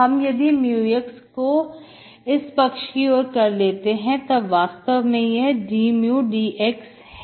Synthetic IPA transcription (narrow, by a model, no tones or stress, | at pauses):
ɦɐmjɐd̪imjuːɪksko | ɪspɐkʃkioːɾkɐɾleːt̪eɦɛ̃t̪ɐʋaːst̪əʋmẽjeɦɖiːmjuːɖiːʔeks | ɦɛ